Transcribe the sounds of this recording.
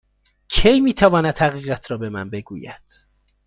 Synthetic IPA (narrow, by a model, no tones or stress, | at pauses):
cʰejmiːt̪ʰævɒːnæd̪hæɣiːɣæt̪ʰɾɒːbe̞mæ̰nbe̞ɡṵːjæ̰d̪̥